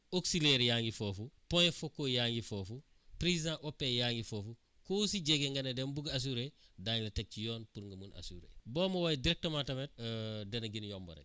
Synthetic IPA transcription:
oksileɾjaːŋɡifoːfupɔjefokojaːŋɡifofu | pɾizidãʔopːejaːŋɡifoːfu | kosiɟeɡeŋɡɐnedɛmbuɡas̬uɾedaːɲlɐtek̚t͡ʃijɔːnpuɾŋɡɐmuna̰suɾḛbɔːmɐwajdiɾɛk̚tɐmatɐmet̚ːdɐnɐɡinjɔmbo̰ɾḛk̚

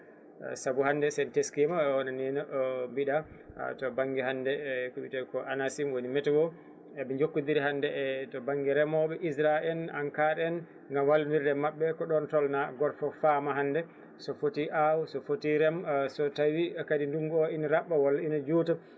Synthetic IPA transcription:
sabuhandɛsɛnteskɛmawɔnanɛnambiɗa̰tɔbaŋɡiɦandɛkuɓitɛkɔʔanasimwonimɛtɛwɔ | ɛɓɛɲd͡ʒokːudiɾiɦandɛtɔbaŋɡiɾɛmɔɓɛʔisɾaʔɛlaŋkaɾɛn | ŋɡamwalniɾdɛmaɓːɛkɔɗɔntɔlnaɡɔɾfɔfamaɦandɛ | sɔfotiʔawsɔfotiɾɛmsɔtawikadinduŋɡɔinaɾaɓːawɔlːainad͡ʒuːta

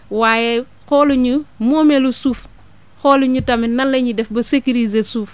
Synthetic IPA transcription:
waːjɛ | kɔluɲumɔːmɛlusuːf | xɔːluɲutɐminɐnlɐɲidɛfbɐsekiɾizesuːf

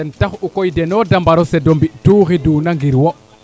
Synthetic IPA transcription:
ɛntaxukojdɛnodambaɾosɛdombiʔtuːɣiduːnaŋɡiɾwoʔ

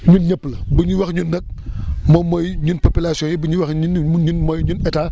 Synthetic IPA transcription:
ɲunɲəpːlɐbəɲuwɐxɲunːɐk̚mɔmɔjɲunpopilasijɔ̃jɛbəɲuwɐxnɲunmɔjɲunɛtaː

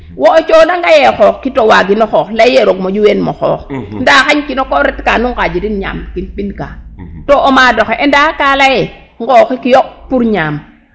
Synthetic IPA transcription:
woot͡ʃonaŋɡajɛxɔkkitowaɡinɔxɔklajeɾoɡmod͡ʒuwenmɔxɔ̰kndaxaɲkinokɔɾɛtkanuŋkad͡ʒidinɲa̰mkinpinka̰toʔomadɔxeʔɛndakalajɛ | ŋɡɔkikijopuɾɲam

